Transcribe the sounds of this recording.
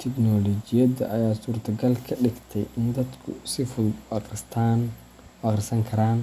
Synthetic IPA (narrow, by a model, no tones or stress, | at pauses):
t̪ʰɛknɔlɔd͡ʒɪjɐd̪ɐ̰ʔɐjaːsuːrt̪ʰɐɡɐlkʰɐɖɪɡt̪ʰɛ̰jɪnd̪ɐd̪kʰʊ̰sɪfʊlɐqɪst̪ʰan | wɐqrsɐŋkʰɐɾaːn